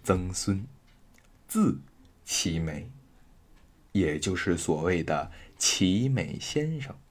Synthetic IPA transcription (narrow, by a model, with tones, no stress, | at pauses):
t͡sɤ˥ŋswə˥n | t͡sɹ̩˥˩ | t͡ɕʰi˧˥me˨˩˦ɪ | jɛ˨˩t͡ɕjo˥˧ʊʂɻ̩˥˩swɔ˨˩we˥˩ɪd̪ə˩t͡ɕʰi˧˥me˨˩ɪɕjɛ˥nʂɤ˥˩ŋ